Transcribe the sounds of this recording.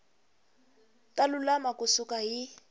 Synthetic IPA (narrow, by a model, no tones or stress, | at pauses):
talulamakʊsukaɦi